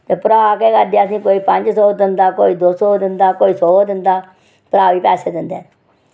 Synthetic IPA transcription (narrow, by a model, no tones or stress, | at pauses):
t̪eːpəɾaːkeːkəɾd̪aːəsĩːkoːiːpəɲd͡ʒsɔːd̪ɪnd̪aːkoːiːd̪oːsɔːd̪ɪnd̪aːkoːiːsɔːd̪ɪnd̪aː | pəɾaːʋiːpɛːseːd̪ɪnd̪ɛː